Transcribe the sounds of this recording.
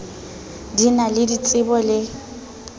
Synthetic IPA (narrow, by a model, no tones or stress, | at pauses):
dinalɪdit͡sʼɪbɔlɪ